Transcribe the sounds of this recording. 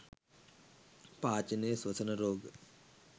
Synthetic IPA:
paːt͡ʃɐneːswɐsʰɐnɐɾoːɡ

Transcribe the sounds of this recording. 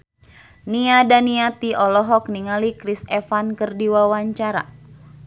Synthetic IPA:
niadaniat̪iɔlɔɦɔk̚niŋalikɾisɛfankɨrdiwawaɲt͡ʃaɾa̰

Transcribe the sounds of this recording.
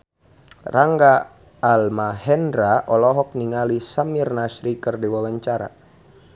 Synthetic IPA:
raŋɡaː | lmahɛndɾaʔɔlɔɦɔk̚niŋalisamirnasɾikɨrdiwawaɲt͡ʃaɾa̰

